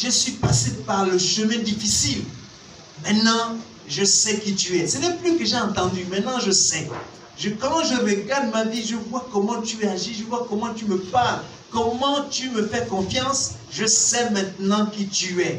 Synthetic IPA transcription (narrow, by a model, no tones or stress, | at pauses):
ʒəswipasepaʁləʃəmɛ̃d̪ifisil | mɛ̃t̪nɑ̃ | ʒəsɛkit̪yɛsənɛplykəʒɛɑ̃t̪ɑ̃d̪ymɛ̃t̪nɑ̃ʒəsɛ | ʒəkɑ̃ʒəʁəɡaʁd̪maviʒəvwakɔmɑ̃t̪yɛaʒiʒəvwakɔmɑ̃t̪yməpaʁl | kɔmɑ̃t̪yməfɛkɔ̃fjɑ̃s | ʒəsɛmɛ̃t̪nɑ̃kit̪yɛ